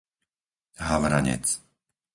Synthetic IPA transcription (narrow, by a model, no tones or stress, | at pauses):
ɦaʋɾa̰ɲɛ̰t͡s